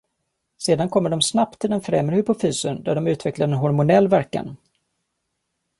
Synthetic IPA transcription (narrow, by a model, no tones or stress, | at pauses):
seːd̪ankʰɔmːəɖɔmsnap̚t̪ʰːɪld̪ɛnfɾɛmɾhɵpʊfyːsənd̪æɖɔmʉ̟ːt̪vɛklaɖɛnɦɔɾmʊnɛlːvæɾka̰n